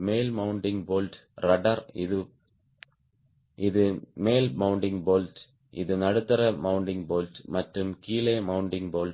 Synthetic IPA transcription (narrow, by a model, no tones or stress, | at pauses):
meːlmɐʊɳɖɪŋboːlʈɾɐɖɐɾɪðɯ | ʔɪðɯmeːlmɐʊɳɖɪŋboːlʈ | ʔɪ̰ðɯnɐɽɯt̪ːɐɾɐmɐʊɳɖɪŋboːlʈmɐʈrɯmkiːleːmɐʊɳɖɪŋboːlʈ